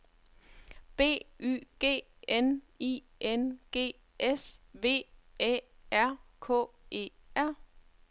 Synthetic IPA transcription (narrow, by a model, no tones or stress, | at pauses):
b̥e̝̰ːy̰ːɡ̥e̝̰ː | en | i | ʔenɡ̥e̝̰ː | ʔesʋe̝̰ːḛːæɐ̰kʰɔ̰̽ːe̝̰ːæɐ̰